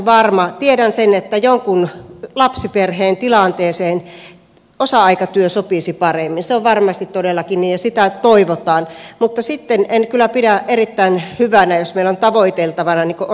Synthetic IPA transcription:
ʋɑrmɑt̪iedænsenet̪ːæjoŋkunlɑpsiperheːnt̪ilɑnt̪eːseːn | osɑɑikɑt̪yøsopisipɑremːinseoʋʋɑrmɑst̪it̪t̪odelːɑkinniːjjɑsit̪æt̪oiʋot̪ɑːnmut̪ːɑsit̪ːenenkylːˑæpidæʔerit̪ːæinhyʋænæjosmeilːont̪ɑʋoit̪elt̪ɑʋɑnɑniːko

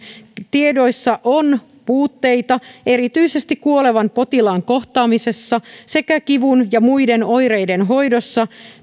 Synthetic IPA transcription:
t̪ie̞do̞jsːɑʔon | puːt̪ːe̞jt̪ɑe̞ɾit̪yise̞st̪ikkuoleʋɑnpo̞t̪ilɑŋko̞ht̪ɑːmise̞sːɑse̞kækiʋunjɑmuijde̞no̞jɾejde̞nɦo̞jdo̞sːɑ

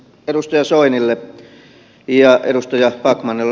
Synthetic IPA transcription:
erust̪ɑjɑsoinilːe | jɑḛɾust̪ɑjɑpɑkmɑnelː

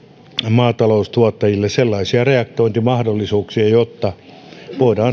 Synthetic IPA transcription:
mɑːt̪ɑloust̪uɑt̪ːɑjilːesselːɑisiɑreɑk̚t̪oint̪imɑhdolːisuːksiɑjot̪ːɑ | ʋoidɑː

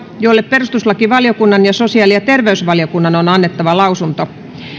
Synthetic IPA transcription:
jolːepperust̪uslɑkiʋɑljokunːɑnjɑsosiɑːˑlijɑt̪erʋeysʋɑljokunːɑnonɑnːet̪ːɑʋɑlɑusunt̪o

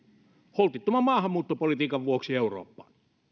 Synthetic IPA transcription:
holt̪it̪ːomɑmmɑːhɑmːuːt̪ːopolit̪iːkɑʋʋuoksieuro̰ːpːɑ̰ːˑn

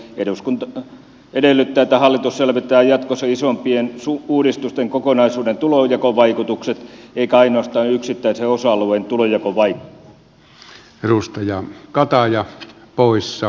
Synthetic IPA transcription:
eduskunt̪ | edelːˑyt̪ːæːet̪ːæhɑlːit̪usselʋet̪ːˑæːjɑt̪kosːɑisompiensuuːdist̪ust̪eŋkokonɑisuːdent̪ulojɑkoʋɑikut̪ukset̪eikæɑinoɑst̪ɑːnyksit̪ːæiseosɑluʋent̪ulojɑkoʋɑik | erust̪ɑjɑkɑt̪ɑjɑpoˑisːɑ

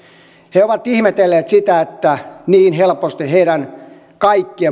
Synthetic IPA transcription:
heoʋɑt̪ihmet̪elːeːt̪sit̪æet̪ːæniːnhelpost̪iheiɾæn | kɑikːie

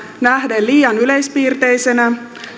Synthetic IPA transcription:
næhdelliːjɑnyle̞jspiːrt̪e̞jsenæ

